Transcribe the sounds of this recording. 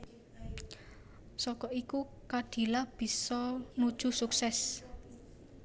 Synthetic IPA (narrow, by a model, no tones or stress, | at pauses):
sɔkɔiku | kad̪̥i̤lab̥i̤sɔnud̥ʒ̥ṳsuksɛs